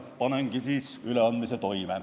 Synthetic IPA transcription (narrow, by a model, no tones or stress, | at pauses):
pɑneŋkisiːsyleɑnd̪miset̪oimæ